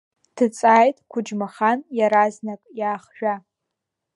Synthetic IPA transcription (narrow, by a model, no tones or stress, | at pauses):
d̥ʰɨt͡sʼaːjtʼkʷʰʊd͡ʒmaχanjaɾaznakʼjaːχʒᶣa